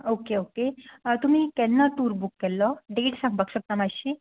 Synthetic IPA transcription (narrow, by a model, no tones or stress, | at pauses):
okeoket̪um̤iːkɛnːat̪uːɾbukːɛlːɔɖeʈsãŋɡ̚bəkɕəp̚t̪amaɕi